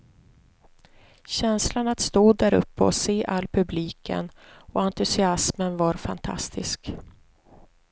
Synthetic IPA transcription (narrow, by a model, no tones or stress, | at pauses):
ɕɛnslanat̪st̪uːd̪ːæɾɵ̰pːəɔseːʔalːpʰɵbliːkə̰nɔant̪ɵsɪasmənvaɾfant̪ʰa̰st̪ʰɪsk